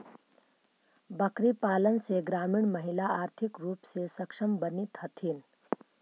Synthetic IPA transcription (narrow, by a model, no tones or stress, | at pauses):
bəkɾipaːlənseɡɾaːmiɳməɦilaaːɾt̪ʰikɾuːpsesəkʂəmbənit̪ɦət̪ʰiːn